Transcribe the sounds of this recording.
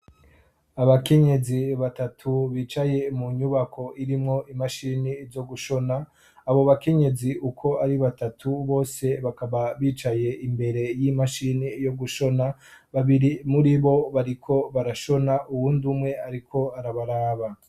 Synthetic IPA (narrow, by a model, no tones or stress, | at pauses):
aβake̞ɲe̞ziβatatʰuβiːt͡ʃaje̞muɲuβako̞ʔiɾimŋo̞ʔimaʃiniːvjo̞ɡuʃo̞naː | βo̞βake̞ɲe̞ziʔukʰo̞aɾiβatatʰuβo̞ːse̞βakaβaβiːt͡ʃaje̞ʔimbe̞ɾe̞jimaʃinijo̞ɡuʃo̞na | βaβiɾimuɾiβo̞βaɾikʰo̞βaɾaʃo̞naʔuwuːndumŋe̞aɾikʰo̞aɾaβaɾaːβa